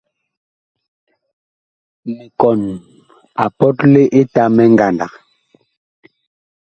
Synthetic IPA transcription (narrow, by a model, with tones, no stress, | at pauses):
mi˨kɔ˨n | a˨pɔ˦tle˦ʔe˦ta˦mɛ˦ŋ˦ɡa˨nda˨k